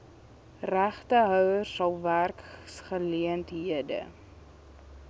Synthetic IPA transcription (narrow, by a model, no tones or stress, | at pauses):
ræχtəɦœwərːɐlˠværksχəliəntɦiədə̰